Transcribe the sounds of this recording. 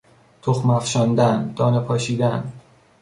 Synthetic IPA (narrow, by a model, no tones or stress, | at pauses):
t̪ʰoxmæfʃɒnd̪ænd̪̥ɒːnepʰɒːʃiːd̪æn